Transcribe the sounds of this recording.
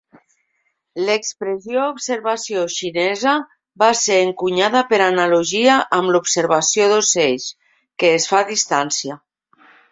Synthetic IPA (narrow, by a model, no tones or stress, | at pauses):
lekspɾezjoubseɾβasjoʃinɛzə | baseɾeŋkuɲaðəpəɾanaluʒiaʔəmlupseɾβasjoðoseʎʃ | keːsfaðist̪ansia